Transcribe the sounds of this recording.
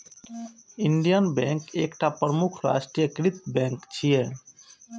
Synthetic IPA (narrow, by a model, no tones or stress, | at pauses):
iɳɖijənbɛ̃ŋkekʈapɾəmukʰɾa̰sʈɾijəkɾit̪bɛ̃ŋkt͡ʃʰije